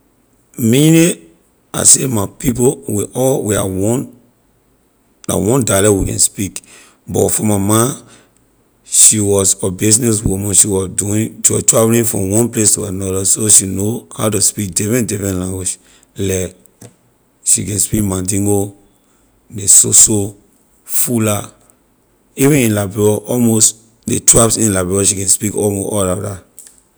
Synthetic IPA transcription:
mine | a̰semapip̬owiʔɔlwia̰wɔn | a̰wɔ̃ndalɛwikɛ̰̃nspik | bɔtfɔmamã | ʃiwɔsɔbisnɛswumãnʃiwɔduĩndɔtɹavlĩnfɹɔ̰̃mwɔ̃nplestuanɔdasoʃinohaʊtuspik̚dɛfɹɛ̃ndɛfɛ̃nlãŋɡwid͡ʒ | lɛk | ʃḭkɛ̃nspikmãdĩŋɡo | desoso | fula | ivĩnĩnlabɛɔʔɔlmost | detɹapsĩnlabɹɛɔʃikɛ̃nspikɔlmoʔɔlada

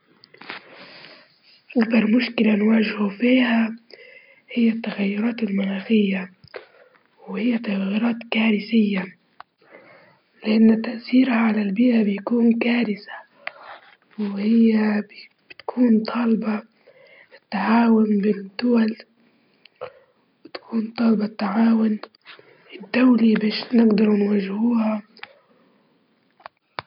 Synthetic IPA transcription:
ʔakd̪ɑɾˤmʊʃkɪlanwaːʒhufiːha | hɪjːat̪ːaɣajːʊɾˤɑːt̪ɪlmʊnaːxɪjːa | whɪjːat̪ːaɣajːʊɾɑːt̪kaːɾɪsɪjːa | lɪʔanːt̪aʔθiːɾhaʕalalbiːʔabɪjakuːnkaːɾɪsḁ | whɪjːa | b̥ɪt̪kʰuːnt̪ˤʰɑlbɑ | t̪ːaʕaːwʊnbɪd̪ːʊwal | bɪt̪ḁkʰuːnt̪ˤɑːlbɑt̪ːaʕaːwʊn | ɪd̪ːawlibeːʃnɪɡd̪ɑɾˤnwaʒhuːha

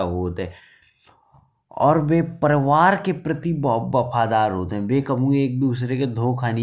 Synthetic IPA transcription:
aɦoːt̪ɦɛ̃ | ɔ̰ːɾʋeːpɐɾɪʋaːɾkepɾɐt̪ibbɐfaːd̪aːɾɦoːt̪eɦɛ̃ʋeːkɐmũeːk̚d̪uːs̬ɾeked̪ʱoːkʰaːni

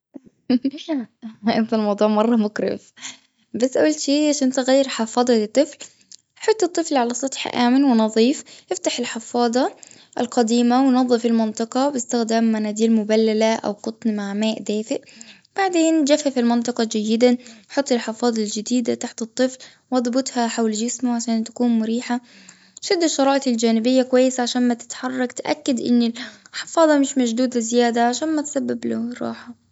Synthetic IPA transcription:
ʔɪnt̪almɑwd̪ˤuːʕmɑrˤːɑmʊkɾɪ̰f | basːʔuːlʃiːaʃʔɪnt̪aɣajːɑɾħɑfɑːd̪ˤɑlɪt̪ˤːɨfl | ħɑt̪ˤːɨt̪ˤːɨflʕalasˤɑt̪ˤħʔa̰ːmɪnwɪnɑðˤiːfʔɪft̪aħɪlħɪfɑːd̪ˤɑ | ʔɪlqɑd̪iːmawnɑðˤːɨfɪlmɪnt̪ˤɑqɑbɪst̪ɪxd̪aːmːanaːd̪iːlmʊbalːalaʔa̰wqʊt̪ˤnmaʕmaːʔd̪aːfɪʔ | b̥aʕd̪eːnd͡ʒafafilmɪnt̪ˤɨqɑd͡ʒajːɪd̪aħɑt̪ˤːɪlħɪfɑːðˤɑld͡ʒɪd̪iːd̪at̪aħt̪ɨt̪ˤːɨfl | wʔɑðˤbʊt̪ˤhaħawld͡ʒɪsmʊʕaʃaːnt̪ḁkuːnmʊɾiːħa | ʃɪd̪ːɪʃːɑɾˤɑːʔɪɪld͡ʒaːnɪbɪjːakʊwajːɪsaʕaʃaːnmat̪ɪ̥t̪ħɑrˤːɑkt̪ʔa̰kːad̪ʔɪ̰nːɪlħɪ̥fɑːðˤɑmɪʃmad͡ʒd̪uːd̪lɪzɪjaːd̪aʕaʃaːnmat̪sabːabluɾˤɑ̰ːħa

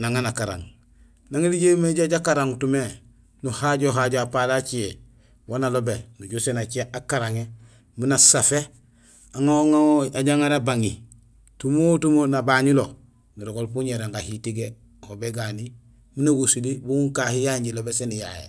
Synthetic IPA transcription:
naŋanakaɾa̰ŋ | naŋeliɟemeɟaɟakaɾaŋtume | nuhaɟoɦaɟoapalat͡ʃie | wonalobenuɟusenat͡ʃiaʔakaɾaŋe | minasafe | aŋaoŋaoaɟaŋaɾabaŋi | tumotumonabaɲilo | niɾoɡolpuɲeɾaŋɡahitiɡe | hobeɡani | minaɡosulibuuŋkahijaɲɟilobesenija̰jḛ

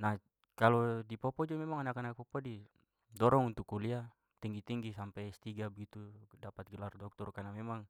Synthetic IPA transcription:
nah | kalɔdipɔpɔd͡ʒɔmɛmaŋanakanak̚pɔpɔdi | dɔɾɔŋunt̪ukːulia | t̪iŋɡit̪iŋɡisampɛjst̪iɡabəɡit̪udapat̪̚ɡɛlardɔk̚t̪ɔrkanamɛmaŋ

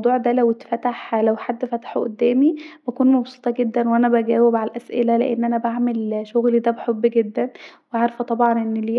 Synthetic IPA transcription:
d̪ˤuːʕd̪æːlæwet̪fæt̪aħlæwħad̪ːfæt̪ḁħʔo̰d̪ːæːmibækuːnmɑbsu̥t̪ˤɑɡed̪ːænwʔænæbæɡæːwebʕalʔæsʔḛlæleʔḛnːʔænæbaʕmelʃoɣlid̪æbeħobːɡed̪ːænweʕaɾfæt̪ˤɑbʕɑnʔenːliː

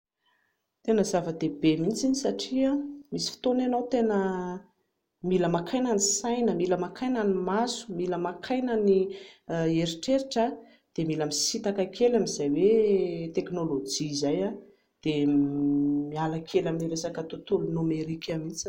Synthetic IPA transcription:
t̪enəzavəd̪ebemint͡siɲisaʈ͡ʂiamisi̥fi̥t̪onanowt̪enə | miləmakʰajnanisajnəmiləmakʰajnanimasu̥miləmakʰajnəni | eɾiʈ͡ʂeɾiʈ͡ʂə | d̪̥emilamisit̪akakʰelamizajwet̪eknolod͡ʒizaja | d̪̥e | mialakʲʰelaminiɾesakət̪ut̪ulunomeɾikʰʲamint͡s

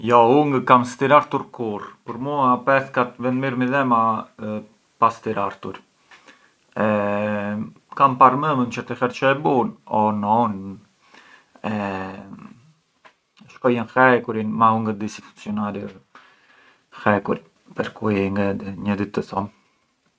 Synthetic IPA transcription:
jɔuŋɡkamst̪iɾaɾt̪uɾkuɾpuɾmuapɛθkat̪vɛnd̪miɾmiðɛma | past̪iɾaɾt̪uɾ | ɛ | kampaɾməmənt͡ʃət̪ixɛɾt͡ʃɔɛbunɔnɔn | ɛ | ʃkɔjənxɛkuɾinmauŋɡəd̪isifunsiɔnaɾi | xɛkuɾi | pɛɾkuiŋɡad̪ɲəd̪it̪ːəθɔm

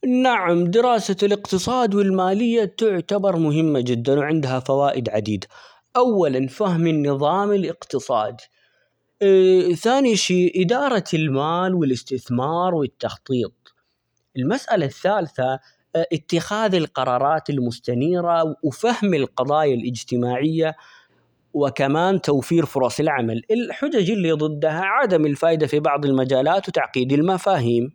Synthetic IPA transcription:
naʕamd̪ɪɾɑːsalɪqt̪ɨsˤɑːd̪wɪlmaːlɪjːat̪ʊʕt̪abɑɾˤmʊɦɪmːad͡ʒɪd̪ːanwʕɪnd̪ɦafawaːʔɪd̪ʕad̪iːd̪a | ʔawːalanfahmɪnːɨðˤɑːmɪlʔɪqt̪ɨsˤɑ̰ːd̪ | θaːniʃiːʔɪd̪ɑːɾˤɑlmaːlwɪlɪst̪ɪθmɑːɾˤwɪt̪ːɑxt̪ˤiːt̪̚ˤ | ʔɪlmasʔalaθːaːlθa | ʔɪt̪ːɪxaːðɪlqɑɾˤɑːɾˤɑːt̪ɪlmʊst̪aniːɾawfahmɪlqɑðˤɑːjalʔɪd͡ʒt̪ɪmaːʕɪjːa | wɪkamaːnt̪awfiːɾfʊɾˤɑsɪlʕamalɪlħʊd͡ʒad͡ʒɪlːiðˤɨd̪ːɦaʕad̪amɪlfaːʔɪd̪afibɑʕðˤɪlmad͡ʒaːlaːt̪wt̪aʕqiːd̪ɪlmafaːɦiːm

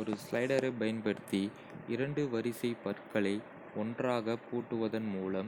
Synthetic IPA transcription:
ɔɾɯslɐɪɽɐɾɐɪpɐjɐnpɐɽɯt̪ːi | ɪɾɐɳɖɯʋɐɾɪsɐɪpɐɾkɐɭɐɪ | ɔndraːɣɐpːoːʈːɯʋɐðɐnmuːlɐm

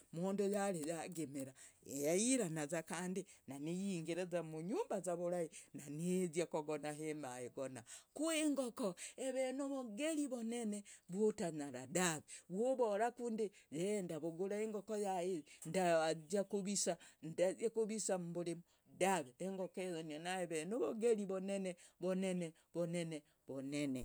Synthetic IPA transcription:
moːndojalejaɡemeɾaejaiɾanazakaːndinanijiːŋɡeɾezamuɲumbazaβuɾahinanezjakoɡonaɦemajeɡonakueŋɡokoeβenoβoɡeliβoneneβotaɲaɾadaβeβwoβoɾakundijendaβoɡuɾaeŋɡokojaendaad͡ʒakuβisandaekuβisambulimu | daβeːŋɡokezononaeβenoβoɡeliβoneneβonene | βonene | βonene

